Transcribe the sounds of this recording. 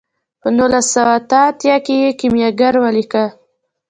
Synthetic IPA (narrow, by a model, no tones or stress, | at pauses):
pənulasːawaːt̪əːt̪jakejekimjaɡaɾwalika